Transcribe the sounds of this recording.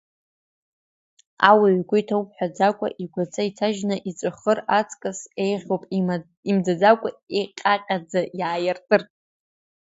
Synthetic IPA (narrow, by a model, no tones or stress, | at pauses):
a̰waɥɡʷʊjtʰawpʰʼħʷᶣad͡zakʷʼa̰ʔiɡʷat͡sʰʼaitʰaʒnaʔit͡sʷʼɨχərat͡sʰʼkʼasejʁʲowpʼ | imd͡zad͡zakʷʼaeqʲʼaqʲʼad͡zajaːjartʼɨr